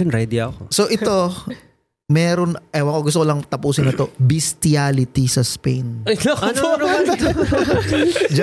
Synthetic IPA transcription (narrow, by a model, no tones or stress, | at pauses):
ɐnɾɛd̪iokosoʔɪt̪o̞ | mɛːɾonʔɛwɐkoɡʊst̪oolɐŋt̪ɐpuːsɪnɐt̪o̞bɪst̪ɪaːlɪt̪isɐspejnɐnn | d͡ʒ